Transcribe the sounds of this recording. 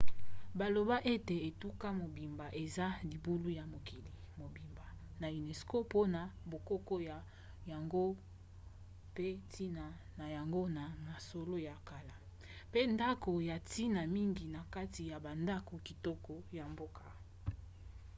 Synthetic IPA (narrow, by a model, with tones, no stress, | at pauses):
ba˨lo˨ba˦ʔe˦te˨e˨tu˦ka˦mo˨bi˨mba˨ʔe˨za˦li˨bu˦lu˦ja˨mo˨ki˨li˨ | mo˨bi˨mba˨ | na˨i˨ne˨sko˦po˦na˨bo˨ko˦kɔ˦ja˨ | ja˨ŋɡo˦ | pe˦tʰi˦na˨ | na˨ja˨ŋɡo˦na˨ma˨so˨lo˦ja˨ka˨la˨ | pe˦nda˦ko˨ja˨ti˦na˨mi˦ŋɡi˨na˨ka˦ti˨ja˨ba˨nda˦ko˨ki˨tɔ˦kɔ˦ja˨mbo˦ka˨